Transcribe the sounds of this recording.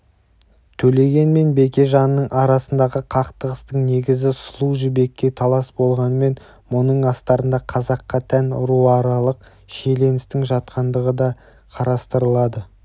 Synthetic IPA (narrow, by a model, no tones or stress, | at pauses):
t̪ʰɵle̞ɡʲe̞nme̞nbe̞kʲe̞ʒɑnəːəɴʔɑɾɑsənd̪ɑʁəqʰɑqt̪əʁəst̪əɴne̞ɡʲɪzɪslˠuʒɪbe̞kʲːe̞t̪ʰɑlˠɑsbo̞lˠʁɑnəme̞n | monəɴɑst̪ɑɾənd̪ɑqʰɑzɑqːɑt̪ʰænʊɾuɑɾɑlˠəq̚ | ʃe̞le̞nɪst̪ɪŋʒɑt̪̚qɑnd̪əʁəd̪ɑ | qʰɑɾɑst̪əɾəlˠɑd̪ə